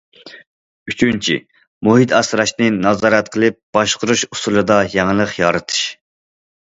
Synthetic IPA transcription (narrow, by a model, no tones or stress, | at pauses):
yt͡ʃʰynt͡ʃʰḭ | muɦit̪ʰɑsɾɑʃnɨnɑzɑːɾɛt̪̚qʰəlˠɨp̚b̥ɑʃqʊɾuʃu̥st̪ulˠɨd̪ɑjɛŋəlˠəqjɑɾɨt̪ʰɨ̥ʃ